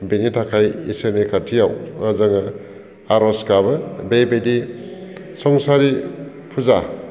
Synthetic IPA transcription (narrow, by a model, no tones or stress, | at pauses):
benitʰakʰajisenekʰatʰijawazaŋa | aɾɔskabɯbejbejdi | sɔŋsaɾi | pʰuza